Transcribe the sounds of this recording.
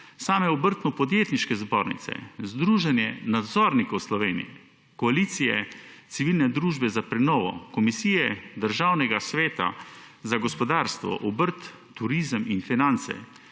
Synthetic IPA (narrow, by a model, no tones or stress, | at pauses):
saːmɛɔbəɾt̪nupɔd̪jeːt̪niʃkɛzboːɾnḭsɛ̰zd̪ɾuːʒɛnjɛnad̪zɔːɾnikɐwslɔʋeːnḭjɛ | kɔaliːt̪sijɛ̰t̪siʋilnɛd̪ɾuːʒbɛzapɾɛnɔːʋɔ̰kɔmisiːjɛd̪əɾʒaːwnɛɡasʋeːt̪a̰zaɡɔspɔd̪aːɾst̪ʋɔ̰ʔɔbəɾt̪ː | uɾizəminfinant̪sɛ̰